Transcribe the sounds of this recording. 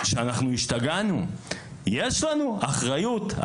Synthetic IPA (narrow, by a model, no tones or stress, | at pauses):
ʃeanaχnuiʃt̪aɡanu | jeʃlanuaχʁajuta̰